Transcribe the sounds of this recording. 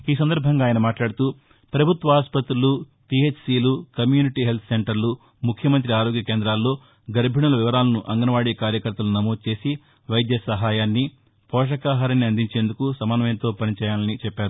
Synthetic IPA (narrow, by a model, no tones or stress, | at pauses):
iːs̬ɐnd̪ɐɾbʱɐŋɡaːjɐnɐmaːʈlaːɽut̪uː | pɾɐbʱut̪ʋɐaːspɐt̪ɾulu | ʈiet͡ʃʰsiːlukɐmjuːniʈiːɦe̞lt̪ʰseɳʈɐɾlu | mukʰjɐmɐnt̪ɾiaːɾo̞ːɡjɐkeːnd̪ɾaːlːo̞ː | ɡɐɾbʱiɳɐlɐʋiʋɐɾaːlɐnuʔɐŋɡɐnɐʋaːɽikaːɾjɐkɐɾt̪ːɐlunɐmo̞ːd̪̚t͡ʃe̞ːsi | ʋɐjd̪jɐsɐɦaːjaːnːi | pʰɔːʂ̬ɐkaːɦaːɾɐnːiɐnd̪iɲt͡ʃe̞ːnd̪ukusɐmaːnɐmɐjɐnt̪o̞ːpɐnit͡ʃɛːjaːlɐnit͡ʃɛpːaːɾu